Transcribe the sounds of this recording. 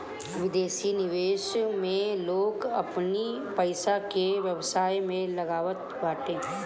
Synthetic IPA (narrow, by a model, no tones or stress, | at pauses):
ʋɪd̪eːsinɪʋeːʃmẽloːɡɐpnipɐɪsakeʋjɐʋsaːimẽlɐɡaːʋət̪baːʈẽː